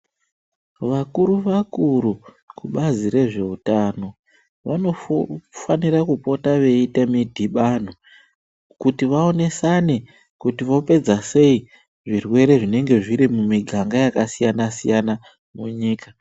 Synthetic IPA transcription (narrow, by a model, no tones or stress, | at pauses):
ʋakuɾuʋakuɾu | kuɓazire̞ʐe̞utaːno̞ | ʋano̞fanirakupo̞taʋe̞itamidʱiɓan̤o | kutiʋao̞ne̞sane | kutiʋo̞pe̞d͡zase̞i | ʐirwe̞ɾe̞ʐine̞ŋɡe̞ʐiɾimumiɡʱaŋɡajakasijanasijana | muɲiːka